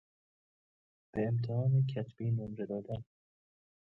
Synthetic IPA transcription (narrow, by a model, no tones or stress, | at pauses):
b̥eːmt̪ʰehɒːnekʰæt̪ʰb̥iːnomɾed̪ɒːd̪æn